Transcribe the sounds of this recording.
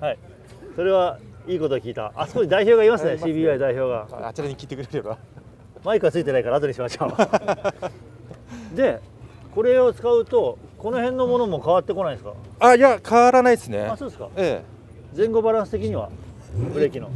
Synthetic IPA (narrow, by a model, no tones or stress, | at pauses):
hai | so̞ɾe̞β̞aiːko̞t̪o̞ːkʲiːt̪a̰a̰sɨ̥koɕid̪aiço̞ːɡaimasɨneɕiːbʲiːaid̪aiço̞ːɡat͡ɕiɾaɲikʲiːt̪e̞kɯ̟ɾeɾɯɡa | maikɯat͡sɨit̪e̞naikaɾaːt̪o̞ɲ̟iɕimaɕo̞ː | d̪e̞ | ko̞ɾe̞o̞t͡sɨ̥kaɯ̟t̪o̞ko̞no̞ɦẽ̞nːo̞mo̞no̞mo̞kaβ̞at̪ːe̞ko̞naĩesɨ̥ka̰ajakʰaβaɾanaid̪sɨne̞̰asoːd̪eska̰e | d͡zẽ̞ŋɡo̞baɾãɰ̃sɨ̥t̪e̞kʲiɲ̟iβa̰ | bɯ̟ɾe̞kʲino̞̰